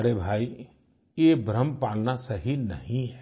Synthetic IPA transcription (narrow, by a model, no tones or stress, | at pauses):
ɐɾeːbʱaːi | jebɾəmpaːlnasɐɦinɐ̰ɦĩɦɛ